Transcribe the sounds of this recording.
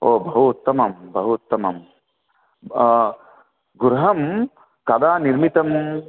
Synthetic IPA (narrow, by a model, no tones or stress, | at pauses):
oːbɐɦut̪ːɐmɐmbɐɦut̪ːɐmɐm | ɡuɾɦɐm | kɐd̪aːniɾmit̪ɐm